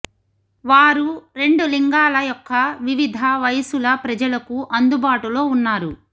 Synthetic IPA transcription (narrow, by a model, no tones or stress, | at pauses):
ʋaːɾuɾe̞ɳɖuliŋɡaːlɐjɔkːɐʋiʋid̪ʱɐʋɐjsulɐpɾɐd͡ʒɐlɐkuʔɐnd̪ubaːʈulo̞ːunːaːɾu